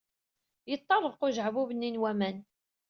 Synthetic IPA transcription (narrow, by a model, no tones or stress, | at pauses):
jət̪ˤːɑɾˤəɾquʒʕvuvənːinwæmæn